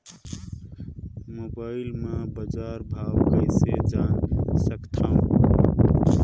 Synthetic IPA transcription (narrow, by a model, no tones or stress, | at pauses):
mobaɪlmebəd͡ʒaɾbʱawkəɪsed͡ʒansəkt̪ʰə̃